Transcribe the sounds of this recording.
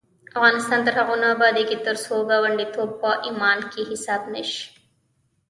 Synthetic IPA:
ɐfɣaːnist̪aːnt̪ɐɾɦɐʁunaːbaːd̪iːɡet̪ːɐɾusoːɡaːʋɐɳɖit̪obːaːʔimaːnkiːhisaːbneʃ

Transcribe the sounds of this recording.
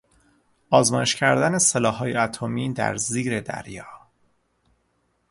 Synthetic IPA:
ʔɒːzmɒːje̞ʃcʰæɾd̪æne̞selɒːɦɒːjeæt̪ʰomiːd̪æ̰ɾziːɾe̞d̪æ̰ɾjɒː

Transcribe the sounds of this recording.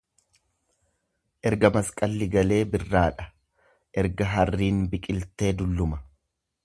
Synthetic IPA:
ʔɛɾɡɐmɐskʼɐlːɪɡɐle̞ːbɪrːaːᶑɐ̥ | ʔɛɾɡɐɦɐrːiːnbɪkʼɪlt̪e̞ːd̪ʊlːʊmɐ

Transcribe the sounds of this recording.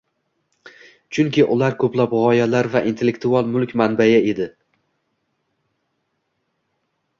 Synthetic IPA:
t͡ʃʰʊŋkʲɪʔʊlaɾkʰɵplapʁɒjalaɾvaʔint̪ʰe̞lːekt̪ʰualˠmʊlˠkʲmanbajae̞d̪ɪ

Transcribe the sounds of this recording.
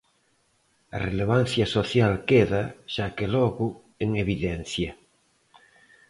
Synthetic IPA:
ɐ̰releβ̞an̟θjɐsoθjalkeðaʃakelɔɣʊ | eŋeβiðɛnθjɐ

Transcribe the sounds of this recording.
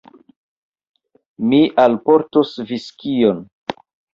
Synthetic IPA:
miʔalpoɾtosviskion

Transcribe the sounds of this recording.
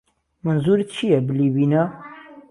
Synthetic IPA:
mɨnzuɾit̪̚t͡ʃʰijɛbɨliːbiːna

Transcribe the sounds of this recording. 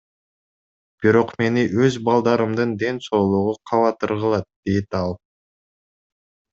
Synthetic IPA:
b̥iɾo̞qme̞niʔøzbɑlˠd̪ɑɾɯmd̪ɯnd̪e̞nso̞ːlˠuʁuqʰɑβɑt̪ɯɾʁɯlˠɑt̪̚d̪̥ejt̪ɑlˠ

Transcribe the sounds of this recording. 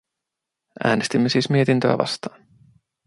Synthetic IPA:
ʔæ̰ːnest̪imːesiːsmie̞t̪int̪ø̰æ̰ʋɑ̰st̪ɑːn

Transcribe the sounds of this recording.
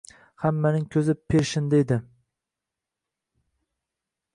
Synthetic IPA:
hamːanɪŋkʲʰɵzɪpʰːeɾʃɪnd̪aed̪ɪ

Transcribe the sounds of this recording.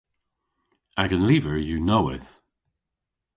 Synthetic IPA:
aɡə̃nliːvəɹjənoʊɪ̰θ

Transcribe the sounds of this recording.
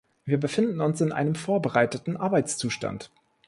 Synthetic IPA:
viːɐbəfɪndn̩ʊnsɪnʔa̰ɪnəmfoːɐbəʁaɪtətn̩ʔaɐbaɪt͡st͡suːʃta̰nt

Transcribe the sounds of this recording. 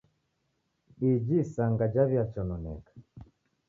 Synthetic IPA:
id͡ʒisaŋɡad͡ʒaβjat͡ʃɔnɔnɛ̰kḁ

